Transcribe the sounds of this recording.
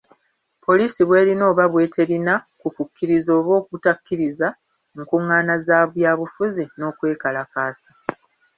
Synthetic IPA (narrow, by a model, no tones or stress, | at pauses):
po̞liːsiβwe̞ːɾino̞ːβaβwe̞ːtʰe̞ɾinakukukʰːiɾizo̞ːβo̞ːkutakːiɾiza | ŋ̩kuŋːaːnazaːβjaːβufuzino̞ːkwe̞ːkalakaːsḁ